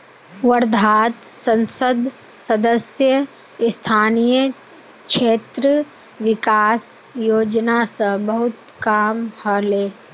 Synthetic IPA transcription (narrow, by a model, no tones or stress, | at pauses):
wəɾd̪ʱaːt̪sə̃nsəd̪ʱ | səd̪əsjə | st̪ʰaːnijə | kʃeːt̪ɾə | ʋɪkaːsjoːd͡ʒnasə̃bəɦʊt̪ | kaːmhəleː